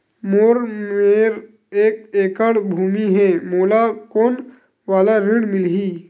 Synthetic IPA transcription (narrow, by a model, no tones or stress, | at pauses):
moːɾmeːɾ | eːkeːkəɽbʱuːmiɦɛ̃moːlakoːn | ʋaːlaɾiɽmɪlɦiː